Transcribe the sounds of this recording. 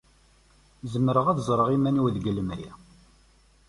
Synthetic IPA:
zəmːɾəʁæðzˤɾˤəʁimæniwðɡəlːəmæjæ̰

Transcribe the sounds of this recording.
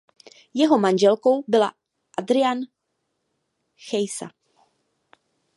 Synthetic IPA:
jɛɦomanʒɛlko̞wbɪla | ʔad̪ɾɪan | xɛjsa̰

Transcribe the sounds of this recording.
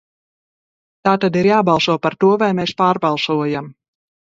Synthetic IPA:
t̪aːt̪ad̪iɾjaːbɑlˠsuɔpaɾt̪uɔvajmeːspaːɾbɑlˠsuɔjam

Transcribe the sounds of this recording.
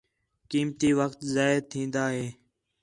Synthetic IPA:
kiːmt̪iːʋəkt̪zaːɪɾt̪ʰĩːnd̪aːɦeː

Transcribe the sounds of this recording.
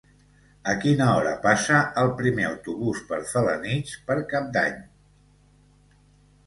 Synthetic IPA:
əkinəɔɾəpasəəlˠpɾimeəwt̪uβuspəɾfələ̰nit͡ʃpəɾkap̚d̪a̰ɲ

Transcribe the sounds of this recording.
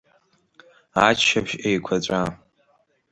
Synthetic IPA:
at͡ʃʃapʃejkʷʰat͡ɕʷʼa

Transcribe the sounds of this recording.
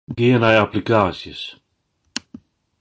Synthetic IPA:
dienajaplikasis

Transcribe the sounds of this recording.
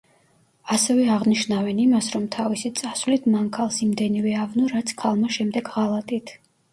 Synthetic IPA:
asɛvɛaʁniʃnavɛnimasɾɔmt̪ʰavisit̪sʼasvlit̪ʰmankʰalˠsimd̪ɛnivɛavnɔɾat̪sʰkʰalˠmaʃɛmd̪ɛɡʁalˠat̪ʼit̪ʰ

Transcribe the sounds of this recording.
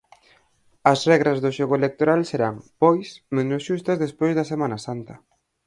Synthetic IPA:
ɐsrɛɣɾɐzðoʃoɣoelek̚t̪oɾalseɾaŋpɔjsmẽnosʃust̪ɐzðespojzðɐsemanɐsant̪ɐ

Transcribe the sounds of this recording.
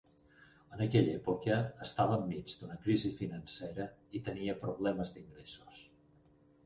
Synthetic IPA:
ənəkɛʎɛpukəːst̪aβəːmːid͡zd̪unəkɾizifinənsɛɾəit̪əniəpɾuβlɛməzd̪iŋɡɾesu̥s

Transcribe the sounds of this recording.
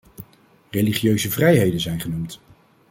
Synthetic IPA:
reliχijøɥzəvrɛjɦejdənzɛjnχənumt

